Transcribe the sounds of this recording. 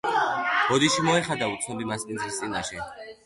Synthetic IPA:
b̥ɔd̪iʃimɔɛχad̪aut̪sʰnɔbimasmʼinzist̪sʼinaʃɛ

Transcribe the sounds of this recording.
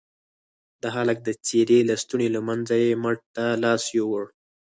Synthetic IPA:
d̪əɦalak̚d̪ət͡seɾelast̪uɳelamanzajeməʈt̪alɑsjowəɽ

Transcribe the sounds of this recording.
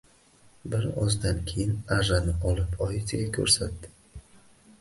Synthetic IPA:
bɪɾɒ̰zd̪ankʲʰe̞jɪnaʒanɪɒlˠɪpʰɒjɪt̪ʰɪɡʲakʲʰɵ̰ɾsat̪d̪ɪ̥

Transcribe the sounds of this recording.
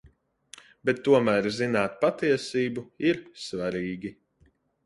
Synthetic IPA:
bɛt̪ːuɔmæːɾzinaːt̪̚pat̪iɛsiːbuiɾsvaɾiːɡʲi

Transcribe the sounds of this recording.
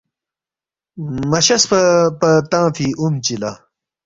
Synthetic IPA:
mɐɕɐspɐpɐt̪ãːfiumt͡ɕila

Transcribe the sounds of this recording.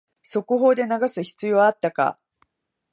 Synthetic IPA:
so̞kɯ̟ɦo̞ːd̪e̞naɡasɨçi̥t͡sɨjo̞ːat̪ːaka̰

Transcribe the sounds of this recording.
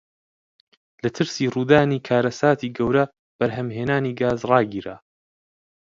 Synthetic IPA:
lɐt̪ʰɨɾsiːruːd̪aːniːkʰaːɾɐsaːt̪ʰiːɡɐwɾɐ | b̥ɐɾɦɐmɦeːnaːniːɡaːzrɑːɡiːɾaː

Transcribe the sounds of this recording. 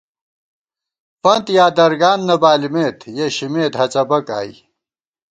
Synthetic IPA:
fɐnt̪jaːd̪ɐɾɡaːnːɐbaːlimeːt̪jeɕimeːt̪ɦɐt͡sɐbɐka̰ːḭ

